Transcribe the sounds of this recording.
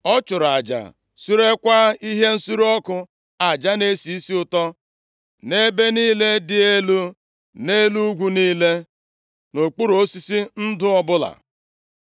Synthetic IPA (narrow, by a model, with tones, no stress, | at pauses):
ɔ˦t͡ʃʊ˨ɾa˨d͡ʒa̰˨ | su˦ɾe˦kʷa˦i˦ɦe˦n̩˦su˦ɾɔ˦kʊ˦ | a˨d͡ʒa˦ne˦si˨i˦si˦ʊ˨tɔ˦ | ne˦be˦niː˦le˦dɪ˨e˦lu˦ | ne˦lu˦ɡʷu˦niː˦le˦ | no˨k͡pu˦ɾo˦si˦si˦n̩˦dʊ˦ɔ˦bʊ˦la̰˨